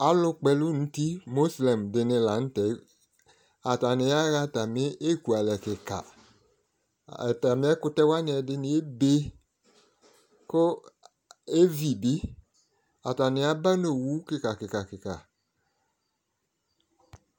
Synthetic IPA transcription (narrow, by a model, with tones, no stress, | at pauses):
a˨lʊ˦k͡pɛ˨lu˦nũ˦t̪i˦mo˦slɛ˨mdɪ˨nɪ̃˨la˨˦n̩˦tɛ˨˦ | a˨ta˨nɪ̃˨a˦ɣa˦ta˨me˦ʔe˦ku˨a˨lɛ˨kɪ˨ka̰˨ | ɛ˨ta˨mẽ˦ɛ˦kʊ˦tɛ˦wa˦nɪ̃˨ɛ˨dɪ˨nɪ̃˨e˦be˦ | ko˦ | e˦vi˨bi˦ | a˨ta˨nɪ˨˦a˦ba˦no˨wu˨˦kɪ˨ka˨kɪ˨ka˨kɪ˨ka̰˨